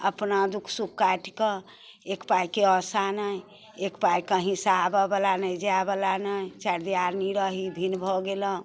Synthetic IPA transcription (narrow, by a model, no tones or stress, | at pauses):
əpnad̪ukʰsukːaʈkə | ekpajkeɔsanəj | ekpajkəɦĩsaabəbəlanəjd͡ʒabəlanəjt͡ʃaɽd̪ijaɾniɾəɦibʱinbʱɔɡeləɦ